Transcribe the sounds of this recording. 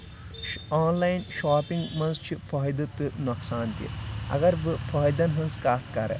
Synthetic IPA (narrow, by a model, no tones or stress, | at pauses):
aːnlaːjnʃaːpiŋɡmɐ̃nzt͡ʃʰifɔːjd̪ɨt̪ɨnɐksaːnt̪ḭɐ̰ɡɐɾʋɨfɔːjd̪ɐnɦɐ̃nzkaːt̪ʰkɐɾɐ̰